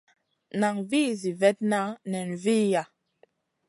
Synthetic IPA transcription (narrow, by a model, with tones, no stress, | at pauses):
na˨ŋviː˦zi˨vɛ˦t̚na˦nɛ˨n˨vi˦ja˨